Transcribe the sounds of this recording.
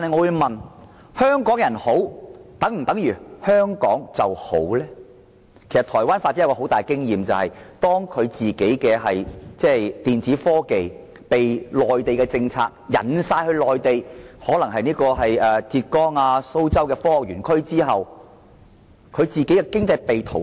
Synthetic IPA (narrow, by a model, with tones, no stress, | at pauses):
t̪a˨nhɐ˨jŋɔː˨˧wu˧jmɐ˨n | hœː˥ŋkɔː˨˥ŋjɐ˨˩nho˨˥wt̪ɐ˨˥ŋm̩˨˩t̪ɐ˨˥ŋjyː˨˩hœː˥ŋkɔ̰ː˨˥ŋt͡sɐ˨who̰˨˥wlɛː˥ | kʰe˨˩sɐ˨t̪ʰɔː˨˩jwaː˥nfaː˧t̚ːi˥jkːɔ˧ɦwt̪aː˨˩jkɪ˥ŋjiː˨mt͡sɐ˨whɐ̰˨jt̪ɔː˥ŋkʰɵ˨˧ɥt͡siː˨˩ke˨˥jkɛː˧hɐ˨jt͡sɛː˥˩jt̪iː˨nt͡siː˨˥fɔː˥ke˨j | pe˨jlɔː˨jt̪e˨jkɛː˧t͡sɪ˧ŋt͡sʰa̰ː˧k̚jɐ̰˨˩nsaː˧jhɵ˧ɥlɔː˨jt̪e˨jhɔː˨˥lɐ˨˩ŋɦɐ˨jniː˥kɔː˧ɦɐ˨jɛː˨˧t͡siː˧t̚kɔː˥ŋaː˧so˥wt͡sɐ˥wkɛː˧fɔː˥ɔ˨k̚jyː˨˩nkʰɵ˥ɥt͡siː˥ɦɐ˨w | kʰɵ˨˧ɥt͡siː˨ke˨˥jkɛ˧kɪ˥ŋt͡sɐ˧jpe˨jt̪ʰo˨˩